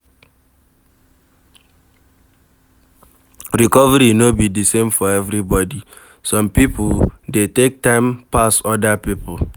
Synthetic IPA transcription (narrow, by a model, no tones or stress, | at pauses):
ɾikɔvəɾinobidisẽmfɔɛvɾibɔdi | sɔ̃mpipdetek̚tãɪmpasɔdapipʊ